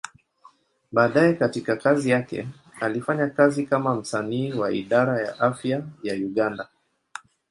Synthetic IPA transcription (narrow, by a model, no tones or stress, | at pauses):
ɓaːɗajɛkatikakazijakɛ̰ | alifaɲakazikamam̩saniːwaiɗaɾaja̰ʔafjajajuɠanda